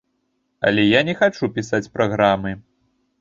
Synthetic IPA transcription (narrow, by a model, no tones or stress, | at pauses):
ɐ̰lʲɛjanʲɛxat͡ʂupʲisat͡sʲpɾaɣɾamɨ